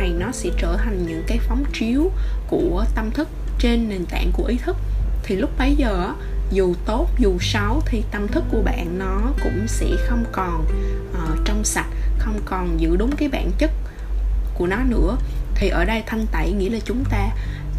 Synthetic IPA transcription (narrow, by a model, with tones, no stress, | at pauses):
a˨˩jnɔ˨˦sɛ̰˧˥t͡ɕəː˧˩t̪ʰa˨˩jŋ̟ɲɨ̰˧˥ŋkaː˨˦jfɔ˨˦wŋ͡mt͡ɕi˨˦əwku˧˩ət̪ə˧mt̪ʰɨ˦˥k̚t͡ɕe˧nːe˨˩nt̪a̰ː˧˨ŋku˧˩əʔi˨˦t̪ʰɨ˦˥k̚t̪ʰi˨˩lʊ˦˥k͡p̚ɓə˨˧˦jzəː˨˩ʔ | zu˨˩t̪o˦˥t̚zu˨˩sa˨˦wt̪ʰi˨˩t̪ə˧mt̪ʰɨ˦˥kːu˧˩əɓa̰ː˧˨nːɔ˨˦kʊ̰˧˥ŋ͡msɛ̰˧˥xə˧wŋ͡mkɔ˨˩nʔəː˨˩t͡ɕɔ˧wŋ͡msa˨˩t̚xə˧wŋ͡mkɔ˨˩nzɨ̰˧˥ɗʊ˨˦ŋ͡mkaː˨˦jɓa̰ː˧˨nt͡ɕə˦˥k̚ | ku˧˩ənɔ˨˦nɨ̰˧˥ət̪ʰi˨˩ʔəː˧˩ɗə˧jt̪ʰə˧nt̪a̰˧˨jŋḭ˧˥əlaː˨˩t͡ɕʊ˨˦ŋ͡mt̪aː˧